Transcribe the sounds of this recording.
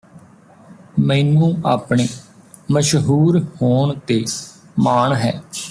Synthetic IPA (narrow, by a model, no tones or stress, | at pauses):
mɛ̃iːnũːaːpɳeː | məʃɦuːɾhoːɳt̪eː | maːɳɦɛː